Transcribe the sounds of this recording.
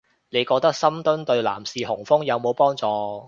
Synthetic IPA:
ne˨˧jkɔː˧k̚t̪ɐ˥k̚sɐ˥mt̪ɵ˥nt̪ɵ˧ɥla̰ː˨˩msiː˨˧hʊ˨˩ŋfʊ˥ŋjɐ˨˧wmo˨˧wpɔː˥ŋt͡sɔː˨˧

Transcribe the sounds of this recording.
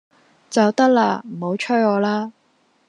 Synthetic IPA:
t͡sɐ˨wt̪ɐ˥k̚laː˧m̩˨˩ho˨˥wt͡ʃʰɵ˥jɔː˨˧laː˥

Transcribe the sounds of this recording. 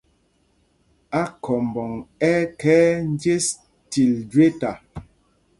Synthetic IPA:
a˦kʰɔ˨m˨bɔ˨ŋɛ˦kɛː˦n̩˦dje˦s | ti˨ldɥe˦ta˨

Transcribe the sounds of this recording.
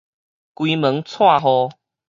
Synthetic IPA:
kwi˧mə˨˦ŋt͡sʰwa˥˨ɦɔ˧

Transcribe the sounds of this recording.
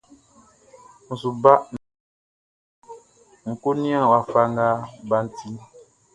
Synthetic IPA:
n̩˨su˨ba˦ʔn | ŋ̩˨ko˦ni˦ã˦˨wa˨fa˦ŋɡa˦ba˦n̩˨tʰi˦

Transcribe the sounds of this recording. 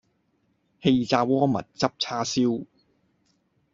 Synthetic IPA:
he˧jt͡saː˧wɔː˥mɐ̰˨˩t̚t͡sɐ˥p̚t͡sʰaː˥siː˥w

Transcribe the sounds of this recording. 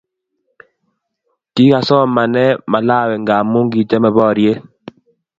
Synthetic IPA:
ti˦ka˨sɔ˦ma˨nɛ˦ma˨la˦˨wɛ˨ŋɡa˨mo˦ŋɡi˨t͡ʃɛ˦mɛ˨bɔ˦˨ɾje˦

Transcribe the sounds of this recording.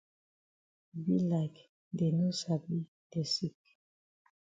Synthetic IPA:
bi˦la˨k | de˨no˦sa˨bi˦ | e˨si˦k̚

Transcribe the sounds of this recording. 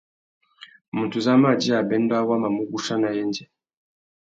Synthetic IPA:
mu˨tu˨za˦ma˦˨d͡ʒi˦a˨bɛ˦ndwa˦wa˦ma˨mu˦ɡu˦ʃa˦na˨jɛ˦nd͡ʒɛ˨

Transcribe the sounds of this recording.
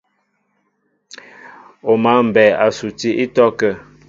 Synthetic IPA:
o˨ma˨˦m̩˨bɛ˨a˨su˨ti˦ʔi˦tɔ˦kɛ˦˨

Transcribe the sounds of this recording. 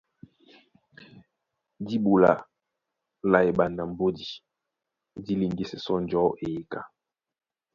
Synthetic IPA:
di˦bu˨la̰˨ | la˨e˨ɓa˨nda˨m˨bo˦di˨ | di˦li˨ŋɡi˦sɛ˨sɔ˦n˨d͡ʒɔ˨˦ʔe˨˦ka˨

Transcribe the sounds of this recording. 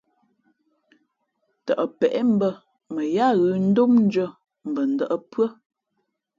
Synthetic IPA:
tə̰˨ʔə˨pɛ˨ʔɛ˦m̩˦bə˦ | mə˨ja˦˨ɣʉ˨n̩˦do˦mn̩˦d͡ʒə˦˨ | m̩˨bə˨n̩˨də˦ʔə˦pɰə˦

